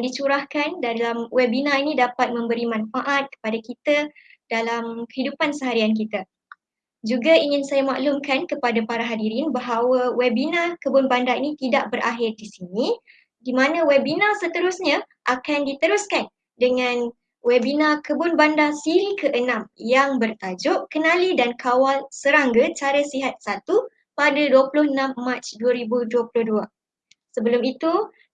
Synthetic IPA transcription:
dit͡ʃuɾahkandalamwɛbinãinĩdapat̪̚mə̃mbəɾimãnfaʔat̪̚kə̥padakit̪a | d̥alamkə̥ɦidupansəɦaɾiank̬it̪a | d͡ʒuɡaiŋɪnsajama̰ʔlumkankəpadapaɾaɦadiɾinbaɦawawɛbinãkəbʊnbandainĩt̪idaʔ̚bəɾʔa̰ɦɪrdisini | dimãnãwɛbinãsət̪əɾʊsɲã | ʔakandit̪əɾʊskan | dəŋãn | wɛbinãkəbʊnbandasiɾikʰəʔənãmjaŋbərt̪ad͡ʒʊʔkənãlidankʰawalsəɾaŋɡət͡ʃaɾəsiɦat̪̚sat̪u | padaduapulʊhənãmːat͡ʃduaɾibuduapulʊhdua | səbəlʊmit̪u

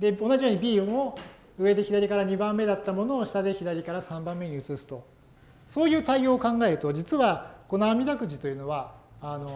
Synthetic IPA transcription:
d̪e̞o̞naʑijo̞ːɲ̟ibʲiːmo | ɯ̟e̞d̪e̞çid̪aɾʲikaɾaɲ̟ibãmːe̞d̪at̪ːamo̞no̞ːɕi̥t̪ad̪eçid̪aɾʲikaɾasãmbãmːe̞ɲ̟iɯ̟t͡sɨsɨ̥t̪o̞ | so̞ːjɯ̟ːt̪aio̞ːkãŋɡae̞ɾɯ̟t̪o̞d͡ʑit͡sɨβako̞no̞amʲid̪akɯ̟ʑit̪o̞jɯ̟no̞βaːno̞

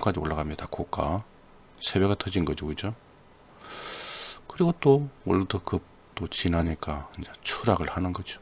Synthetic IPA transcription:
mk͈ad͡ʑioɭːaɡamɲid̪akʰok͈a | sʰe̞bwe̞ɡat͈ʰʌd͡ʑinɡʌd͡ʑoɯd͡ʑo | kɯɾiɡot͈owʌɭːdɯkɯp̚ | t͈ot͡ɕinɦaɲik͈aɯnd͡ʑet͡ɕʰuɾaɡɯɭhanɯnɡʌd͡ʑo̥

